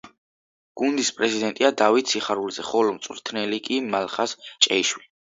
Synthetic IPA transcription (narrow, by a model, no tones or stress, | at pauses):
ɡ̥und̪ispʼɾɛzid̪ɛnt̪ʼiad̪avit̪ʰsʰiχaɾulzɛχɔlɔmt̪sʼwɾt̪ʰnɛlikʼimalχast͡ʃʼɛiʃwili